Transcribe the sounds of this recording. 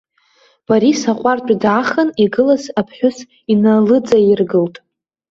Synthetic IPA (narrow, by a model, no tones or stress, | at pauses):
b̥aɾisaqʷʼart͡ʃʷʼadaχaniɡɨlazapʰħʷᶣʊs | inalɨd͡zajɪrɡɨltʼ